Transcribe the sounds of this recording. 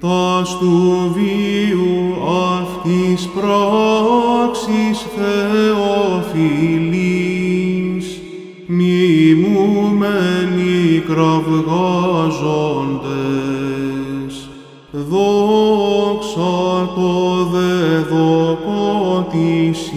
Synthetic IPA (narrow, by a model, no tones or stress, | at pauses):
t̪ɐst̪uviuɐft̪ispɾa | ksisθeofili | s | mimumenikɾɐvɣɐzond̪e | s | ðo | ksɐɾpoðeðokot̪is